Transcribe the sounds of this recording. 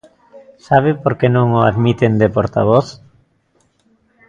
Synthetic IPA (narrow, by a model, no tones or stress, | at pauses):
saβ̞ɪpoɾkenõŋoa̰ðmit̪end̪epoɾt̪a̰β̞oθ